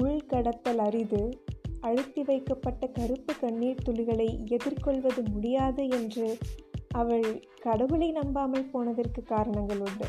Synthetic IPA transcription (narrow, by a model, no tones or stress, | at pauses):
ʊɭkɐɽɐt̪ːɐlɐɾɪðɯɐɻɯt̪ːiʋɐɪkːɐpːɐʈːɐkɐɾɯpːɯkɐɳːiːt̪ːʊlɪɣɐɭɐɪɛðɪrkɔɭʋɐðɯmʊɽɪjaːðɯɛndrɯʔɐʋɐɭ | kɐɽɐɣɯɭɐɪnɐmbaːmɐɭpoːnɐðɐrkɯkːaːɾɐɳɐŋɡɐɭʊɳːɯ̰